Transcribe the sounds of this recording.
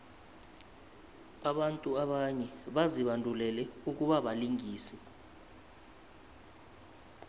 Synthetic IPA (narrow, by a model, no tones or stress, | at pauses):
aɓantʼuaɓaɲɛɓaziɓandʱulɛlɛuk̬uɓaɓaliŋiːsɛ